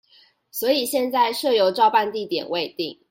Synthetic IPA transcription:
swɔ˧˥i˨˩ɕjɛ˥˧nt͡sa˥˧ɪʂɤ˥˩jo˧˥ʊʈ͡ʂɑ˥˧ʊpa˥˧nt̪i˥˨˩t̪jɛ̰˨˩nwe˥˧ɪt̪i˥˩ŋ

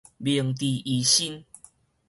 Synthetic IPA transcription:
bi˨˩əŋt̪i˨˩ʔi˨˦ɕi˦n

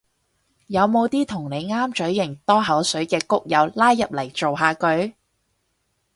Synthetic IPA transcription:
jɐ˨˧wmo˨˧wt̪iː˥t̪ʰʊ˨˩ŋne˨˧jŋaː˥mt͡ʃɵ˨˥ɥːɪ˨˩ŋt̪ɔː˥ɦɐ˨˥wsɵ˨˥ɥkɛː˧kʊ˥k̚jɐ˨˧wlaː˥jːɐ˨p̚lɐ˨˩jt͡so˨wɦaː˨˧kɵ˨˧ɥ

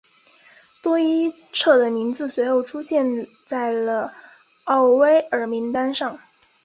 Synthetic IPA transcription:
t̪wɔ˥i˥ | ʈ͡ʂʰɤ˥˩d̪ə˩mi˧˥nd͡zɹ̩˧swe˧˥ɪjo˥˩ʊʈ͡ʂʰu˥ɕjɛ˥˧n | t͡sa˥˩ɪlə˩ | ɑ˥˩ʊwe˥ɪə˞˧˥mi˧˥ŋt̪a˥nʂɑ˥˩ŋ

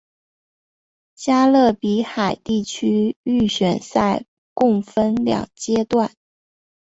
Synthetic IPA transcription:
t͡ɕja˥lɤ˥˩pi˧˥xa˨˩ɪt̪i˥˩t͡ɕʰy˥y˥˩ɕɥɛ˨˩nsa˥˧ɪ | kʊ˥˩ŋfə˥nljɑ̰˨˩ŋt͡ɕjɛ˥t̪wa˥˩n

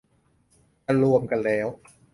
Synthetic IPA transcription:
a˧lu˧əmka˧nlɛː˦˥w

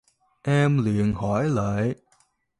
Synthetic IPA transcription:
ʔɛ˧mlḭ˧˨ənhɔ˧˩jlə̰ː˧˨j

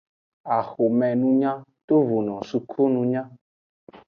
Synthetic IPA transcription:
a˨xo˨mɛ̃˨nũ˦ɲã˦t̪o˦vu˨nɔ̃˨su˨kʰo˦nũ˨ɲã˦

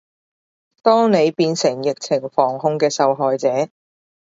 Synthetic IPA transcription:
t̪ɔː˥ŋne˨˧jpiː˧nsɪ˨˩ŋjɪ˨k̚t͡sʰɪ˨˩ŋfɔː˨˩ŋɦʊ˧ŋkɛː˧sɐ˨˧wɦɔː˨jt͡sɛː˨˦

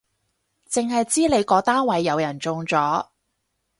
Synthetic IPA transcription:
t͡sɪ˨ŋɦɐ˨jt͡siː˥le˨˧jkɔː˨˧˥t̪aː˥nwɐ˨˧jːɐ˨˧wjɐ˨˩nt͡sʊ˨˧ŋt͡sɔː˨˥

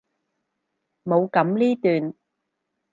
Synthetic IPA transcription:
mo˨˧wkɐ˨˥mliː˥t̪yː˨n

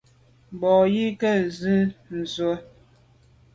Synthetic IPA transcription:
bɔ˨ji˦kɛ˦zʉ˦n̩˨zo˦

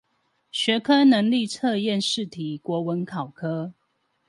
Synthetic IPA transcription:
ɕɥɛ˨˧˥kʰɤ˥nə˧˦ŋli˥˨t͡sʰɤ˥˧jɛ˥˨nʂɻ̩˥˨t̪ʰi˨˩kwɔ˨˥wə˨˦nkʰɑ˨˩ʊkʰɤ˦

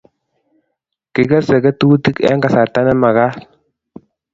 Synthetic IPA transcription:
ki˨ɡa˦se˨ɡə˦tu˦ti˦kɛ̰˦ŋɡa˨sa˨ɾta˦nɛ˦ma˨ɡa˦

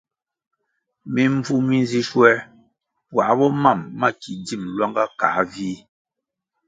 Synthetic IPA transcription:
mi˨ɱ˦b͡vu˦mi˨n˦zi˦ʃwɛ˦ | wa˨ʔbɔ˦ma˦˨mːa˦˨ki˨di˦˨mlwa˦ŋɡa˦kaː˨˦viː˦

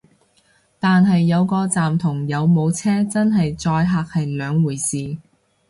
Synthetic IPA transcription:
t̪aː˨nɦɐ˨jːɐ˨˧wkɔː˧t͡saː˨mt̪ʰʊ˨˩ŋjɐ˨˧wmo˨˧wt͡sʰɛː˥t͡sɐ˥nɦɐ˨jt͡sɔː˧jɦaː˧k̚hɐ˨jlœː˨˧ŋwuː˨˩jsiː˨

